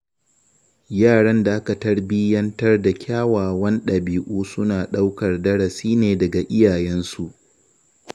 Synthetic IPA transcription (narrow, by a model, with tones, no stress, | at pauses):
jaː˦˨ɽɐ˦nda˨ʔa˦kɐ˨tɐ˦rbi˦jɐ˦ntɐ˦rda˨kʲʰaː˦waː˨wɐ˦nɗɐ˨biː˨ʔuː˦sʊ˦naː˨ɗa˦wkɐ˨rdɐ˦ɽɐ˨siː˦neː˨dɐ˨ɡa˨ʔɪ˦jaː˨jɛ˦nsu˨ʔ